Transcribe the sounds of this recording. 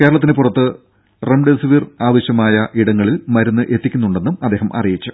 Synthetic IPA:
ke̞ːɾɐɭɐt̪̬ːinɨpurɐt̪ːɨ | remɖesʋiraːʋɐɕjɐmaːjɐʔiɽɐŋːɐɭilmɐɾunːɨʔe̞t̪ːikʲːunːuɳɖe̞nːumɐd̪ːeːɦɐmʔɐ̰rijit͡ɕːu

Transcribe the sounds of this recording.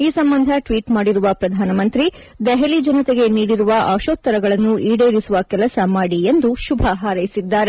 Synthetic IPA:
iːsɐmbɐnd̪ʱɐʈʋiːʈmaːɽiɾuʋɐpɾɐd̪ʱaːnɐmɐnt̪ɾi | d̪ɛɦelid͡ʒɐnɐt̪eɡe̞niːɽiɾuʋɐʔaːʃoːt̪ːɐɾɐɡɐɭɐnːuʔiːɽeːɾisuʋɐkɛlɐsɐmaːɽie̞nd̪uʃubʱɐɦaːɾɐjisid̪ːaːɾe

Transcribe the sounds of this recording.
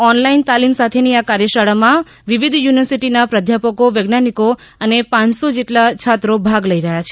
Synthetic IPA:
ɔnlaint̪alimsat̪ʰeniakaɾjəʃaɭamã | ʋiʋid̪ʱjuniʋəɾsiʈinapɾəd̪ʱjapəkoʋeɡnaniko | ənepãt͡ʃsod͡ʒeʈlat͡ʃʰat̪ɾobʱaɡləiɾəɦjat͡ʃʰe

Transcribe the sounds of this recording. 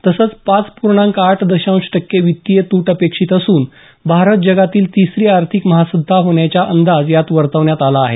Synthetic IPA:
t̪əsət͡spat͡spuɾɳãŋkaʈʰd̪əɕãw̃ɕʈəkːeʋit̪ːijət̪uːʈəpekʂiːt̪əsuːn | bʱaɾət̪̚d͡ʑəɡat̪iːlt̪isɾiːaɾt̪ʰikməɦasəd̪ʱaɦoɳjat͡ɕjaʔənd̪ad͡zjat̪ʋəɾt̪əʋɳjat̪alaːɦḛ

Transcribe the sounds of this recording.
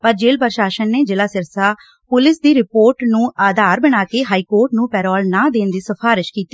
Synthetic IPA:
pəɾd͡ʒeːlpəɾʃaːʃənːeːd͡ʒɪlaːsɪɾsaː | pʊlɪsd̪iːɾɪpoːɾʈnũːʔaːd̪aːɾbəɽ̃aːkeːɦaːiːkoːɾʈnũːpɛːɾɔːlnãːd̪eːnd̪iːsəpʰaːɾɪʃkiːt̪i̥

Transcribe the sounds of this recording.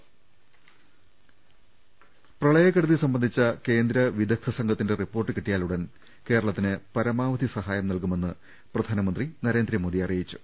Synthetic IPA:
prɐɭɐjɐkːɐɽuðisɐmbɐnd̪ʱit͡ɕːɐke̞ːnd̪ɾɐʋid̪ɐk̚t̪ʰɐsɐŋɡʰʱɐt̪ːinde̞ripːo̞ːrʈːɨkiʈːijaːluɽen | ke̞ːɾɐɭɐt̪ːinɨpɐɾɐmaːʋɐd̪ʱisɐɦaːjɐmnɐlkume̞nːɨ | prɐd̪ʱaːnɐmɐnd̪rinɐɾe̞ːnd̪ɾɐmo̞ːd̪ijɐrijit͡ɕːu̥

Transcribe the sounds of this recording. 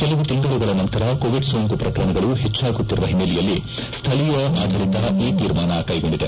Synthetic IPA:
kɛlɐʋut̪iŋɡɐɭuɡɐɭɐnɐnt̪ɐɾɐkoːʋiɖsoːŋkupɾɐkɐɾɐɳɐɡɐɭuɦet͡ʃːaːɡut̪ːiɾuʋɐɦimːelɛjɐlːi | st̪ʰɐɭijɐʔaːd̪ʱɐɾit̪ɐʔiːt̪iːɾmaːnɐkɐjɡo̞ɳɖid̪e

